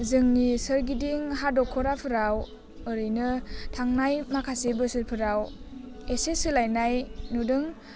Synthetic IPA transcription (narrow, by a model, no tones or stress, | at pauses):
zɯŋnisɯɾɡidiŋɦadɔkʰɔɾapʰɯɾaw | ɯɾɯjnɯtʰaŋnajmakʰasebɯsɯɾpʰɯɾaw | esesɯlajnajnudɯŋ